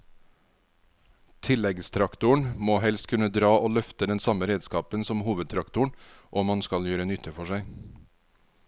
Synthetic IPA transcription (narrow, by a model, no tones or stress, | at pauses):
t̪ʰɪlɛɡst̪ʰɾɑkt̪ʊəɳmoːhɛlst̪kʰʉnəd̪ɾɑːʔoːlœft̪əd̪ɛnsɑməɾeːd̪skɑːpənsɔmhuːʋəd̪̚t̪ʰɾɑkt̪ʊɳʔoːmɑnskɑljøːɾənʏt̪ʰəfɔʃæɪ